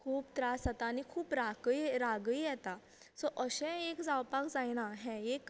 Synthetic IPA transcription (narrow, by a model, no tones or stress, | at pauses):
kʰuːpt̪ɾasat̪aːnikʰuːpɾakəjɾaɡəijɛt̪a | sɔʔəɕɛ̃ekd͡zawpakd͡zajɽ̃aɦɛ̃ek